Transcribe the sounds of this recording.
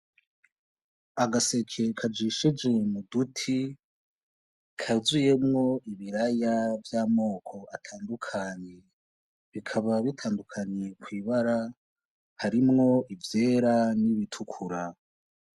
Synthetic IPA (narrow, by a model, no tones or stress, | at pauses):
aɡase̞kʰe̞kʰad͡ʒiʃid͡ʒwe̞mudutʰi | kʰazuje̞mŋo̞ʔiβiɾajavjaːmo̞ːkʰo̞ʔatʰaːndukʰaɲe | βikʰaβaβitʰaːndukʰaɲekwiːβaɾa | haɾimŋo̞ʔivje̞ːɾaniβitʰukʰuɾa